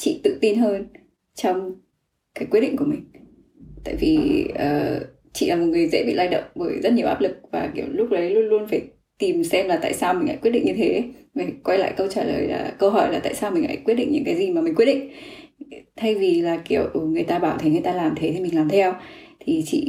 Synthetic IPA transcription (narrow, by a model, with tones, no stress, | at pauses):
t͡ɕḭ˧˨t̪ɨ̰˧˨t̪i˧nɦəː˧n | t͡ɕɔ˧wŋ͡m | kaː˨˦kwi˦˥t̚ɗḭ˧˨ŋku˧˩mï˨˩ŋ̟ | t̪a̰ː˧˨jvi˨˩ʔəː˨˩ | t͡ɕḭ˧˨laː˨˩mo˨˩t̚ŋɨ˨˩əjzḛ˧˥ɓḭ˧˨laː˧jɗə̰˧˨wŋ͡mvə˧˩jzə˦˥t̚ɲi˨˩əʔaː˦˥p̚lɨ˨˩k̚vaː˨˩ki˧˩əwlʊ˦˥k͡p̚ɗə˨˦jlu˧ənlu˧ənfaː˧˩j | t̪i˨˩msɛ˧mlaː˨˩t̪a̰ː˧˨jsaː˧wmï̟˨˩ha̰ː˧˥kwt̚ɗḭ˧˨ŋɲɨ˧t̪ʰe˨˦va˨˩kwa˧jla̰ː˧˨jkə˧wt͡ɕaː˧˩lə̰ː˨˩jla̰ː˨˩kəː˧ɦɔ˧˩jlaː˨˩t̪a̰ː˧˨jsaː˧wmï˨˩ŋ̟ʔa̰ː˧˥˩jkwi˦˥t̚ɗḭ̈˧˨ŋɲɨ̰˧˥ŋkaː˨˦jzi˨˩maː˨˩mi˨˩ŋkwt̚ɗḭ˧˨ŋ̟ | t̪ʰa˧jvi˨˩laː˨˩ki˧˨əwŋɨ˨˩əjt̪aː˧ɓaː˧˩wt̪ʰe˨˦ŋɨ˨˩əjt̪aː˧laː˨˩mt̪ʰe˨˦t̪ʰi˨˩mï˨˩ŋ̟laː˨˩mt̪ʰɛ˧wt̪ʰi˨˩t͡ɕḭ˧˨